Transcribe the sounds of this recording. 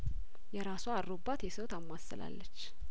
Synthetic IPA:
jɛɾasoaɾɾobːat̪jɛsəwt̪amːasːɨla̰lːət͡ʃː

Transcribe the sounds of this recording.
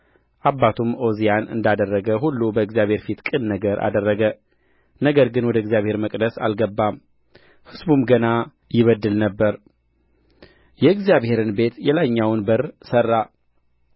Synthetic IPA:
ʔabːat̪ʰumo̞zijanɨ̰nd̪ad̪ərːəɡəɦulːubəɨɡzjaβhe̞ɾfit̪kʼɨnnəɡəɾʔa̰d̪ərːəɡə | nəɡəɾɡɨnwɔd̪əɨɡzjaβhe̞ɾməkʼd̪əsa̰lɡəbːam | hɨzbumɡəna | jɪβəd̪ːɨlnəbːəɾ | jɛɨɡzijaβhe̞ɾɨnbe̞t̪jɛlaɲːawnbərsərːa

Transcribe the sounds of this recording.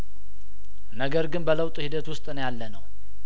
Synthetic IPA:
nəɡəɾɡɨnbələwt̪ʼuhid̪ət̪wʊst̪ʼnjalːənəw

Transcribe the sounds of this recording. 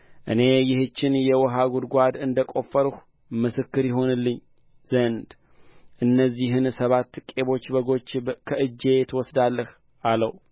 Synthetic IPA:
ʔɨ̰ne̞jɪhɨt͡ʃːɪnjɛwɔɦaɡud̪ɡʷad̪ɨnd̪əkʼo̞fːəɾh | mɨsɨkːɨɾjɪɦo̞nɨlːɨɲː | z̥ənd̪ | ʔɨnːəzːiɦɨnsəβat̪ːkʼe̞βo̞t͡ʃːbəɡo̞t͡ʃːkʰəʔɨd͡ʒːe̞t̪ʰwɔsd̪alːəh | aləw

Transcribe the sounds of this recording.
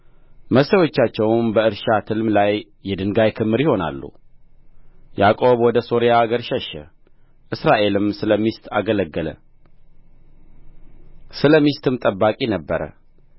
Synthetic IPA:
məsəwot͡ʃːat͡ʃːɛwnbəɨɾʃat̪ʰɨlmlajː | ɛd̪ɨŋɡajkʰɨmːɨɾjho̞na̰lːṵ | jakʼo̞βwɔd̪əso̞ɾijaːɡəɾʃɛʃɛ̰ | ʔɨsɾaʔe̞lɨmsɨləmist̪ʰaɡələɡːələ̰ | sɨləmist̪ʰɨmt̪ʼəbːakʼinəbːəɾə̰

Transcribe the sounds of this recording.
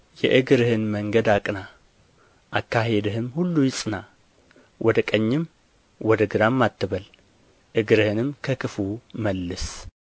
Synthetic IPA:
jɛ̰ʔɨɡɨɾɨhɨnməŋɡəd̪akʼna | ʔakːaɦe̞d̪əɦɨmhulːujɪsʼɨna | wʔɔd̪əkʼəɲːɪm | wɔd̪əɡɨɾamːat̪ʰːɨβəl | ʔɨɡɨɾɨhɨnɨmkʰəkʰɨfuməlːɨs

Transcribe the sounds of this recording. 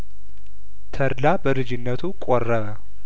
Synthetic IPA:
t̪ʰəɾlabəlɨd͡ʒɪnːət̪ʰukʼorːəβə

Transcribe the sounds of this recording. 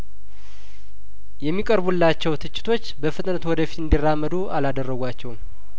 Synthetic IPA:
jɛmːikʼəɾbulːat͡ʃːɛwt̪ʰɨt͡ʃːɪ̥t̪ʰo̞t͡ʃːbəfɨt̪ʼnət̪wɔd̪əfi̥t̪ɨnd̪irːamːəd̪uʔalad̪ərːəɡʷat͡ʃːɛwum

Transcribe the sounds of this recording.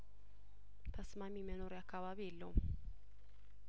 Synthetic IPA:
t̪ʰəsmamimənoɾjakːaβaβijɛlːəwum

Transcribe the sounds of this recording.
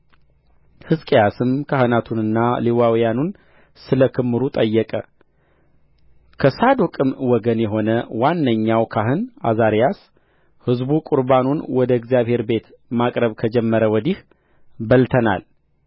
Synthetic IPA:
hɨskʼejasɨmkʰahɨnat̪ʰunɨnːaliwawjanun | sɨləkʰɨmːɨɾut̪ʼəjːɛkʼə | kʰəsad̪okʼɨmwɔɡənjɛɦo̞nəwanːəɲːawkʰaɦɨnʔa̰zaɾjas | hɨzbukʼuɾbanunwɔd̪əɨɡzijaβhe̞ɾbe̞t̪ | makʼɾəβkʰəd͡ʒɛmːəɾəwɔd̪ih | bəlt̪ʰəna̰l

